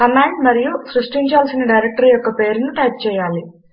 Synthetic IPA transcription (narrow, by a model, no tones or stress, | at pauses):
kɐmaːɳɖmɐɾijusɾuʂʈiɲt͡ʃaːlsinɐɖɐjɾek̚ʈɐɾijɔkːɐpe̞ːɾunuʈaːp̚t͡ʃɛːjaːli